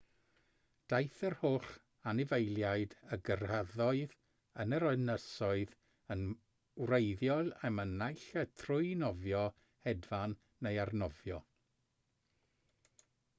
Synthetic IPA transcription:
d̥ajθərhoːχ | anɪvejlˠjaɨdəɡərhəðɔɨð | ənəɾɔɨnəsɔɨð | ən | wrejðjɔlɛmənajɬətʰrʊjnɔvjɔ | hɛdvanː | ejarnɔvjɔ

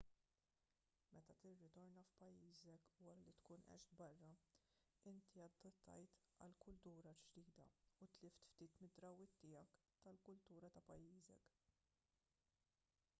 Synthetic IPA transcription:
mɛt̪ɐt̪ɪrːɪt̪ɔɾnɐfpɐjːiːzɛkwɐɾɐlit̪kuːnʔɛ̰ʃd̪bɐrːɐ | ɪnt̪iɐd̪ɐt̪ʰːɐ̰jt̪ | ɐ̰lkʊlt̪uːɾɐd͡ʒd̪iːd̪ɐ̰ut̪lɪft̪ft̪iːt̪mɪd̪ɾɐwɪt̪ːɪːjɐk | t̪ɐlkʊlt̪uːɾɐt̪ɐpɐjːiːzɛ̰k

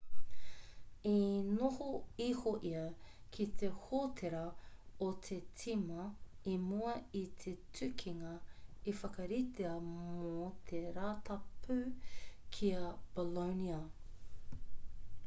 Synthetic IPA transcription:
inohoihoʔiɐkʰit̪ʰehotʰeɾɐot̪ʰet͡sʰimɐimuɐit̪ʰetʰʉkʰiŋɐifɐkɐɾit̪eɐmot̪ʰeɾaːt̪ɐpʰʉkʰiɐb̥oloniɐ

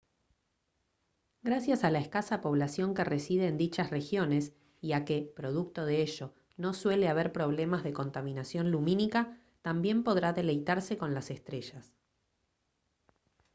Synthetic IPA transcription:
ɡɾasjasalaeskasapo̞βlasjo̞ŋke̞resiðeːnd̪it͡ʃasre̞xjo̞nes | iakepɾo̞ð̞uk̚t̪o̞ð̞eeʃo̞ | no̞swe̞leaβe̞ɾpɾo̞β̞le̞mazðe̞ko̞nt̪amĩnasjo̞nlumĩnika | t̪ambje̞mpo̞ð̞ɾaðe̞le̞jt̪aɾseko̞nlase̞st̪ɾe̞ʃas

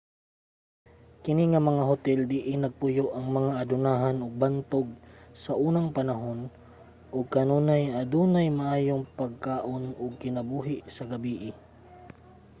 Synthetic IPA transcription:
kɪniŋɐmɐŋaɦʊt̪ɛld̪ɪʔɪnɐɡ̚pʊjoʔɐŋmɐŋaʔɐd̪ʊnaːɦɐnʊɡ̚bant̪oɡ̚sɐʔuːnɐŋpɐnɐɦon | ʔʊɡ̚kɐnuːnajʔɐd̪uːnajmɐʔaːjoŋpɐɡ̚kaːʔonʊɡ̚kɪnɐbuːɦɪʔsɐɡɐbiːʔɪ

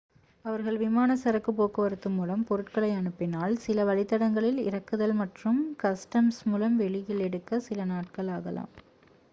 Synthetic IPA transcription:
ɐʋɐɾɣɐɭʋɪmaːnɐsɐɾɐkːɯpːoːkɐʋɐɾɯt̪ːɯmːuːlɐmpɔɾɯʈkɐɭɐɪɐɳɯpːɪnaːlsɪlɐʋɐɭɪt̪ːɐɽɐŋɡɐɭɪlɪ̰ɾɐkːɯðɐlmɐʈrɯmkɐsʈɐmsmuːlɐmʋɛɭɪjɪlɛɽɯkːɐsɪlɐnaːʈ̚kɐɭaːɣɐla̰ːm

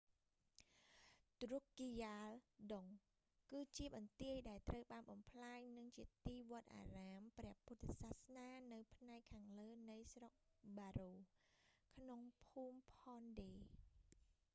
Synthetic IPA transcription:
t̪rukːijaːlɗoŋ | kɨːt͡ɕiəɓɑnt̪iəjɗaɛlt̪rəwɓaːnɓɑmpʰlaːɲnɨŋt͡ɕiət̪iːʋŏət̪̚ʔa̰ːraːmprɛ̆əhput̪ʰːsaːhsnaːnɨwpʰnaɛkʰːaːŋləːnɨjsrok̚ɓaːruː | kʰnoŋpʰuːmpʰɑːnɗeː

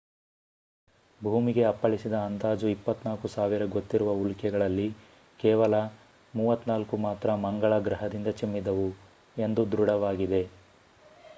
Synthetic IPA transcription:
bʱuːmiɡe̞ɐpːɐɭisid̪ɐːnd̪aːd͡ʒuipːɐt̪naːkusaːʋiɾɐɡo̞t̪ːiɾuʋɐulkɛɡɐɭɐlːi | kɛːʋɐlɐ | muːʋɐt̪ːnaːlkumaːt̪ɾɐmɐŋɡɐɭɐɡɾɐɦɐd̪ind̪ɐt͡ʃimːid̪ɐʋu | e̞nd̪ud̪ɾuɽɐʋaːɡid̪e̞

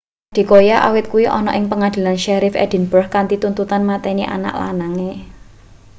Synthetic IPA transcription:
dd̥i̤kojaʔa̰wɪt̪̚kuwiʔɔ̰nɔ̰ʔɪŋpəŋad̪̥i̤lanʃɛɾɪfɛ̰d̥i̤nb̥ərhkant̪it̪unt̪ut̪anmat̪ɛniʔa̰na̰ʔla̰naŋe

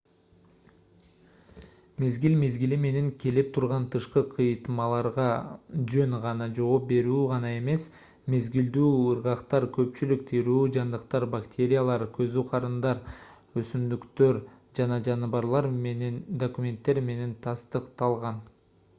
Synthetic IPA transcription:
me̞zɡilme̞zɡilime̞ne̞ŋkʲe̞lip̚t̪ʰuɾʁɑnt̪ʰɯʃqɯqʰɯjt̪mɑlˠɑɾʁɑd͡ʒø̞ŋʁɑnɑd͡ʒo̞op̚be̞ɾyːʁɑnɑe̞me̞s | me̞zɡild̪yːɯɾʁɑqt̪ɑɾkʰø̞pt͡ʃylyk̚t̪ʰiɾyːd͡ʒɑnd̪ɯqt̪ɑɾbakt̪ʰʲe̞ɾʲɪjalˠɑɾkʰø̞zyqʰɑɾɯnd̪ɑɾ | øsymd̪ykt̪øɾ | d͡ʒɑnɑd͡ʒɑnɯβɑɾlˠɑɾmenend̪okumʲe̞nt̪ːe̞ɾme̞ne̞nt̪ʰɑst̪ɯqt̪ɑlˠʁɑn

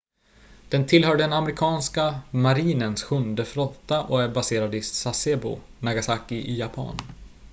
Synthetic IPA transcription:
d̪̥ɛnt̪ʰɪlɦœːɖɖɛnamɛɾɪkʰɑːnskamaɾiːnənsɧɵnd̪əfɾɔt̪ːaʔɔæɾbaseːɾad̪ɪssaseːbʊ̰naɡasakɪʔɪjapʰa̰n

